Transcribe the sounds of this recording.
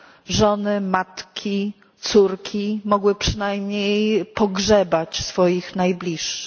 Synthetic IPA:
ʐɔnɘmat̪kʲʰi | t̪suɾkʲʰimɔɡwɘpʂɘnajmɲejpɔɡʐɛbat͡ɕsfɔjixnajblʲiʂːɘ̥

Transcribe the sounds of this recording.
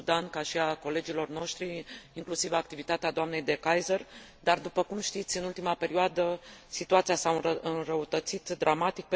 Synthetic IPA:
ud̪ankaʃiako̞le̞d͡ʒilo̞rno̞ʃt̪ɾiːŋklusivakt̪ivit̪at̪ead̪oamne̞jd̪e̞kajzər | d̪ard̪upəkumʃt̪it̪sʲɨnult̪imape̞ɾioad̪əsit̪uat̪siasaɨɨnrəut̪ət̪sit̪d̪ɾʔamat̪ik̚pe

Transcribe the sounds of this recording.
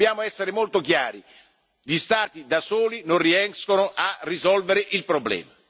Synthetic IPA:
jaːmoɛsːeɾɪmolt̪okja̰ːɾi | ʎist̪aːt̪id̪asoːlinonriɛŋskonoʔarːizɔlveɾɪʔilpɾoblɛ̰ːma

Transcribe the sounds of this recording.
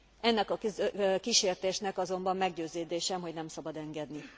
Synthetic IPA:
ɛnːɛkɒkiʃeːrt̪eːʃnɛkɒzo̞mbɒmːɛɡɟøːzeːd̪eːʃɛmɦo̞ɟnɛmsɒbɒd̪ɛŋɡɛd̪ni

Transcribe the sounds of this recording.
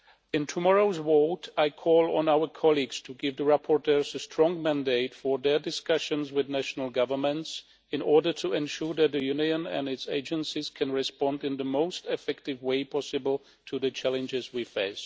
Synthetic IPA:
ɪ̃ntʰumɔɹoʊzwoʊtaɪkʰɔlˠə̃nawə˞kʰɑlˠiɡz̥tʰuɡɪvðəɹapʰɔɹtʰɜ˞zəstʰɹ̥ɔ̃ŋmæ̃ndeɪtfə˞ðə˞dɨskʌʃɨ̃nzwɪðnæʃnəl̩ˠɡʌvə˞mə̃nts | ɨ̃nɔɹdə˞tʰuɛ̃nʃuɹðɨt̪̚ðɨjuniɨ̃næ̰̃ndɨtseɪd͡ʒə̃nsiz̥kʰæ̃nɹɨspɑ̃ndɨ̃nðəmoʊstɨfɛk̚tɨvweɪpʰɑsɨbl̩ˠ | tʰuðɨt͡ʃʰælˠɨ̃nd͡ʒɪzwifeɪs

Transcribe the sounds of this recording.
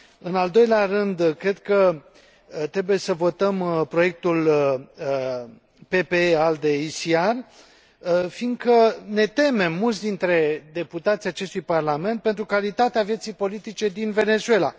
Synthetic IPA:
ɨnald̪o̞jleaɾɨnd̪kɾe̞d̪̚kə | t̪ɾe̞buje̞səvo̞t̪əmpɾo̞je̞k̚t̪ul | pe̞pe̞eald̪eisiar | finɡ̪kəne̞t̪e̞me̞mːult̪sd̪int̪ɾe̞d̪e̞put̪at̪sijat͡ʃe̞st̪ujparlame̞nt̪̚pe̞nt̪ɾukalit̪at̪eavjet̪sijpo̞lit̪it͡ʃe̞d̪inve̞ne̞zue̞la̰

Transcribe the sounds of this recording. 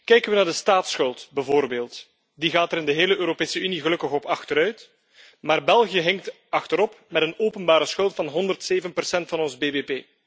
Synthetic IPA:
kɛjkənʋənaːrdəstaːtsxɵlˠtbɛvoːrbeːlˠt | diɣaːtɛɾɪndəɦeːləʔøːɾopeːsəyniɣəlɵkəxɔpɑxtəɾœɥt | maːrbɛlˠɣijəɦɛŋk̚t | ɑxtəɾɔpmɛtənoːpənbaːɾəsxɵlˠtfɑnɦɔndərtseːvənpərsɛntfɑnɔnzbeːbeːpeː

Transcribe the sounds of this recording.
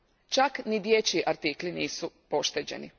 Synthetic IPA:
t͡ʃaknid̪jet͡ɕiʔaɾt̪ikliniːsupo̞ʃt̪ed͡ʑe̞̰nḭ

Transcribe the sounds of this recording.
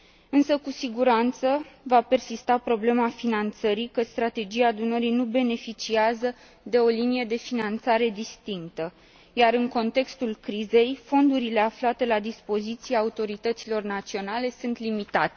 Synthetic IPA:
ɨnsəkusiɡuɾant̪səvape̞rsist̪apɾo̞ble̞mafinant̪səɾikəst̪ɾat̪e̞d͡ʒiaːd̪unəɾinube̞ne̞fit͡ʃiazə | d̪e̞o̞linije̞d̪e̞finant̪saɾe̞d̪ist̪iŋkt̪ə | jaɾɨŋko̞nt̪e̞kst̪ulkɾize̞jfo̞nd̪uɾile̞aflat̪e̞lad̪ispo̞zit̪sijeaːut̪o̞ɾit̪ət̪silo̞rnat̪sio̞nale̞sunt̪limit̪at̪e

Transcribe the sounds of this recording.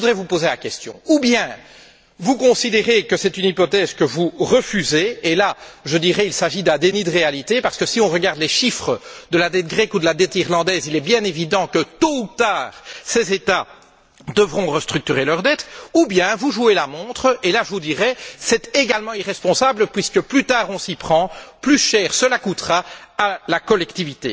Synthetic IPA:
əvud̪ʁɛvupozelakʲɛst̪jɔ̰̃ubjɛ̃ | vukɔ̃sid̪eʁekəsɛt̪ynipɔt̪ɛzkəvuʁəfyzeːlaʒəd̪iʁɛilsaʒid̪ɛ̃d̪enid̪əʁealit̪epaʁsə̥kəsiɔ̃ʁəɡaʁd̪lɛʃifχəd̪əlad̪ɛt̪̚ɡʁɛkud̪əlad̪ɛt̪iʁlɑ̃d̪ɛːzilɛbjɛ̃nevid̪ɑ̃kət̪out̪aːʁsɛzet̪a | d̪əvʁɔ̃ʁəst̪χyk̚t̪yʁelœʁd̪ɛt̪ubjɛ̃vuʒuelamɔ̃t̪χəelaʒəvud̪iʁɛsɛt̪eɡalmɑ̃iʁɛspɔ̃sabləpɥiskəplyt̪aːʁɔ̃sipχɑ̃plyʃɛːʁsəlakut̪χaalakɔlɛkt̪ivit̪ḛ

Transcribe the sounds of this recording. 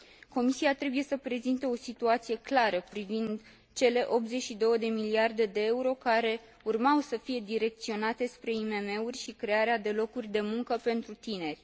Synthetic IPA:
ko̞misiat̪ɾe̞buje̞səpɾe̞zint̪e̞o̞sit̪uat̪sije̞klaɾəpɾivind̪ | t͡ʃe̞le̞ʔo̞p̪ze̞t͡ʃʲʃid̪o̞wəd̪e̞miliard̪e̞d̪e̞euɾo̞kaɾe̞ | urmawsəfije̞d̪iɾe̞k̚t̪sio̞nat̪e̞spɾe̞ime̞me̞urʲʃikɾe̞aɾead̪e̞lo̞kurʲd̪e̞muŋkəpe̞nt̪ɾut̪ine̞rʲ

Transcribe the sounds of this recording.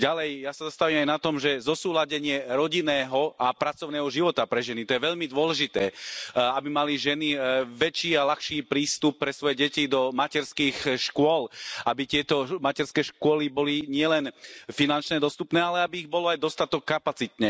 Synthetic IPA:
ɟalɛjjasazast̪aʋiːmajnat̪ɔmʒɛzɔsuːlaɟɛɲɪɛɾɔɟinɛːɦɔapɾat͡sɔʊnɛːɦɔʒiʋɔt̪apɾɛʒɛnit̪ɔjɛʋɛʎmid̪ʊɔlɛʒit̪ɛːabimaliʒɛniʋɛt͡ʃiːalaxʃiːpɾiːst̪upːɾɛsʋɔjɛɟɛcid̪ɔmacɛɾskiːxʃkʊɔlʔabit̪ɪɛt̪ɔmacɛɾskɛːʃkʊɔlibɔliɲɪɛlɛnfinant͡ʃnɛːd̪ɔst̪upnɛːalɛabiːɣbɔlɔajd̪ɔst̪at̪ɔkːapat͡sit̪ɲɛ

